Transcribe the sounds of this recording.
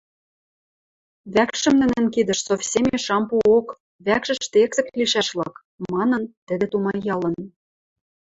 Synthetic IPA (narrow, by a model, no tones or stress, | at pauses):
βækʃɘ̆mnɘ̆nɘ̆nkid̪ə̆ʃsofsʲemʲĕʃɑmpuok | βækʃɘ̆ʃt̪eksɘ̆k̚liʃæʃlɤ̆k | mɑnɤ̆nt̪ɘ̆d̪ĕt̪umɑjːɑlɤ̆n